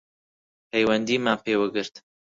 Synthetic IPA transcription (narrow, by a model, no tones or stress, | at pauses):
pʰɛjwɛnd̪iːmaːpʰeːwaɡɨɾt̪